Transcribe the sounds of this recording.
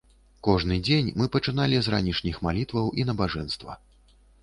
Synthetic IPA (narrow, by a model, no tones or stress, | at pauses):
kɔʐnɨd͡zʲenʲmɨpɐt͡ʂɨnalʲizɾa̰nʲiʂnʲixmalʲit̪vɐwʔinɐbaʐɛnst̪vɐ̰